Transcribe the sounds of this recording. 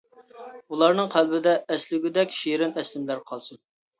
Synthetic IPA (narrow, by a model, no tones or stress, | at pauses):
ulˠɑɾnɨŋqʰælbɪd̪ɛːslɪɡʲyd̪ɛkʲʃiɾɪnɛslɪmlæɾqʰɑlˠsɨn